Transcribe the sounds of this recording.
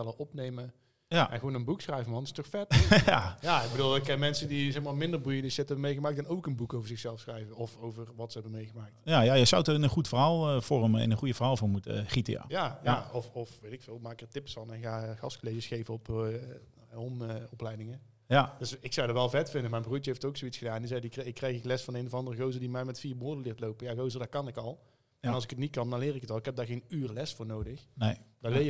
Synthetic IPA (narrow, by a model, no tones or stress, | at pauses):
ɛlˠəɔpnejmə | jaɛ̰nɣəoːnənbuksχrɛjvəmɑnɪ̥stɔxfɛtajaɪkɡ̚bəduːlˠɪkɛnmɛnsədizɛxmaːmɪndərbujədəsɪtɛbəmejɣəmaːk̚dɛnowkənbukowvəɹzɪxsɛlˠfsxrɛjvəɔfowvərʋɑtsəɦɛbəmejɣəmaːk̚tjajajəjzawtəɪnənχutfərɦaːlˠəvɔrəmɪ̰nənχujəvərɦaːlˠvʊːmutə̰χitə̰ja̰jajaɔfɔfʋejtɪkfɪːlˠmaːkərtɪpsfɑnɛnxaːɣɑskolejʒəsxejvəɔp | ɔmɔplɛjdɪŋə | jadøsɪksɑwdɑtʋɛlˠvɛtfɪndəmɛjmbruːtəejftowksowitsxədaːnɛndizɛjdikɪkːrɛjxɪklɛsfɑnejnəvɑndərəɣowzərdimɛjmɛtfiːrboːɹdəlɪːrtlowpəjaɣowzədakɑnɪkɑlˠ | ɛnɑlˠsɪkətnit̚kɑndɑnlɪːɾɪkətɑlˠɪkɦɛb̚daːɹɣejnyːrlɛsfʊːɹnowdəxnedalɪ